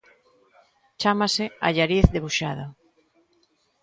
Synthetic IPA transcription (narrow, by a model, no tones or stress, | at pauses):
t͡ʃamasɪaʎaɾiθðeβuʃaðo